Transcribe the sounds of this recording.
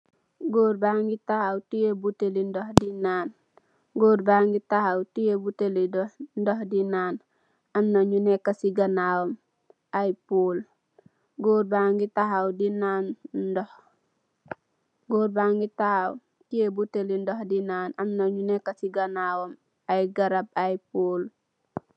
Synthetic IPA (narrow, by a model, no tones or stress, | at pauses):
ɡoɾbaŋɡitahawtijebutelindohdinaːn | ɡoːɾbaŋɡitahawtijebutelidondohdinaːn | amnoɲunekasiɡanawom | ajpuːl | ɡoːɾbaŋɡitaɦawdinanndoh | ɡoːɾbaŋɡitahaw | tijebutelindohdinaːnamnaɲunekasiɡanawom | ajɡaɾab̚ajpoːl